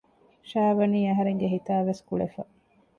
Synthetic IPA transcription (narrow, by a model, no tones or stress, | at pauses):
ʃaːʋɐniːɐɦɐɾeŋɡeɦit̪aːʋeskuɭefɐ̰